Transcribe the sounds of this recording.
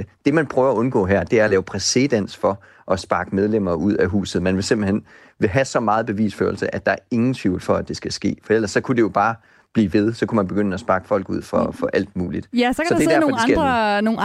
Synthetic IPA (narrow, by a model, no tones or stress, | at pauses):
d̥e̝mænpʰʁœːʊɐɒɔ̽nɡ̥ɔ̰̽ːɦæɐ̰d̥e̝æɐlɛːʊəpʰʁɛsed̥æn̰sfɒ̽ | ʔɒ̽sb̥ɑ̈ːɡ̥əmeðˠlem̰ɐːʔuð̞̰ˠæɦṵːsð̩ˠmænʋe̝se̝mb̥l̩hen̰ | ʋe̝ɦæsɒ̽mɑ̈ːð̞̩ˠb̥e̝ʋḭːsfø̰ːɐl̩səʔæd̥ɑ̈æɐe̝ŋn̩t͡sʰʋiʊ̰l̩fɒ̽æd̥e̝sɡ̥æsɡ̥e̝̰ːfɒ̽el̰ɐsːɒ̽kʰud̥e̝jo̝b̥ɑ̈ː | b̥liːʋe̝ð̞ˠsɒ̽kʰumænb̥e̝ɡ̥ønəɒsb̥ɑ̈ːɡ̥ə̥fɒ̽l̰ɡ̥uð̞̰ˠfɒfɒ̽ʔæl̰d̥̚muːlid̥sɒ̽dedæɐfɒdesɡ̥æ̥no